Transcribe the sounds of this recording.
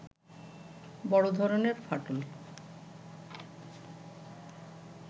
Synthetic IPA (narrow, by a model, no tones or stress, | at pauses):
bɔɽod̪ʱɔɾoneɾfaʈol